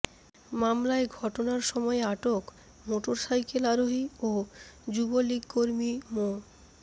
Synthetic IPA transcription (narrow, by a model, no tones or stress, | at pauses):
mamlaeɡʱɔʈonaɾʃɔmɔeaʈok | moʈoɾsajkelaɾoɦiod͡ʑuboliɡkoɾmimo